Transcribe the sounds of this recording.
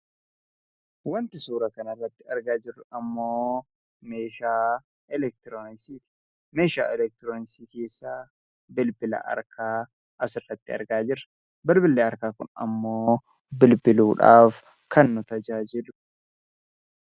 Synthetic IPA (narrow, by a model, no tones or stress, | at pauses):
wɐnt̪ɪsuːɾɐkɐnɐrːɐt̪ːɪɐɾɡaːd͡ʒɪrːʊɐmːoː | me̞ːʃaː | ɛlɛk̚t̪ɪɾoːnɪksiːt̪ɪ̥ | me̞ːʃa̰ːɛlɛk̚t̪ɪɾoːnɪksiːke̞ːsːaː | bɪlbɪlɐ̰ʔɐ̰ɾkʰaː | ʔɐsɪrːɐt̪ːɪɐ̰ɾɡaːd͡ʒɪɾɐ̥ | bɪlbɪlːeːɐɾkaːkʊ̰nɐ̰mːoː | bɪlbɪluːᶑa̰ːf | kʰɐnːʊt̪ɐd͡ʒaːd͡ʒɪlʊ̥